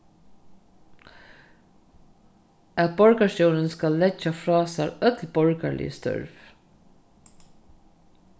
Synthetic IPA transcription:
æt̪̚bɔɹkaʃɔwɾənskalːɛd͡ʒafɾɑːsaɾœt̪lbɔɹkalɪ̰jəst̪œ̰ɹv

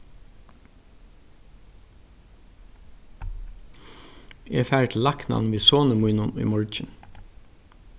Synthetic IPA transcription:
ɛːfæːɹət̪ʰɪlɑknɑ̰nʋiːsoːnəmuɪnʊnṵjmɔɹd͡ʒɪn

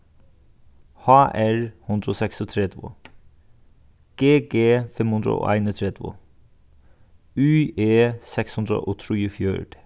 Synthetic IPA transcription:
hɑːʔæɹhʉnd̪ɾəoːsɛksot̪ʰɾɛd̪ʋo̰ | ɡ̥eːɡeːfɛmhʉnd̪ɾə̰o̰ːʔæ̰ɪnət̪ʰɾɛd̪ʋo̰ | ʉːeːsɛkshʉnd̪ɾə̰ʔoːt̪ʰɾyːfjø̰ːɖ

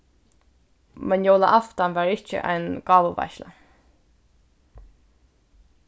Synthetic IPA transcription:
mɛnjoːwlaʔaft̪anvaːɹɪht͡ʃə̰ʔa̰jnɡ̥ɑːvəva̰jʃla̰

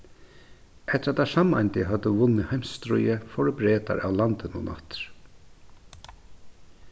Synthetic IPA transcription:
ʔɛht̪əɾat̪ʰːasama̰nt̪ɪɦœd̪əvʊnːɪhajmst̪ɾʊjəfɔɾbɾeːt̪a̰ɾa̰wlant̪ɪnʊnʔa̰ht̪ɾ̥

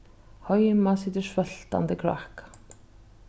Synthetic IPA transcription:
hɔjmasiːt̪ɪ̥svœl̥t̪a̰nt̪ɪkʰɾa̰hk

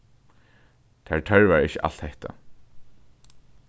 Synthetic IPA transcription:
t̪ʰaɹtʰœɹvaɹɪçəʔa̰lt̪heht̪a̰

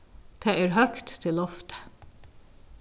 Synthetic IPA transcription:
t̪ʰeːæːɾhœkt̪ʰːɪlɔft̪ə̥

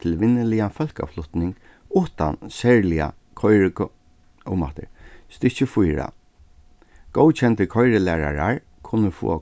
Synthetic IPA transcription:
t̪ʰɪlʋɪnːəlɪafœlka̰flʊht̪nɪŋɡ | ʊht̪a̰nsɛɹlɪa̰ | kʰɔjɹɪk | ʊma̰t̪ɪ̰ɹst̪ɪt͡ʃɪfujɾa̰ | ɡ̥ɔwt͡ʃʰɛnt̪əkʰɔjɾɪlæːɾa̰ɹaɹ | kʰʊnːəfṵːa

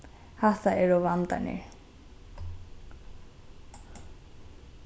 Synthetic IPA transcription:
haht̪aɛɾɔvant̪a̰nɛ̰ɾ

